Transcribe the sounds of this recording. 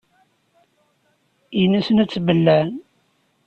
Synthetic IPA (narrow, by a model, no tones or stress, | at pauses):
inːæsənæt͡sːbəlːæn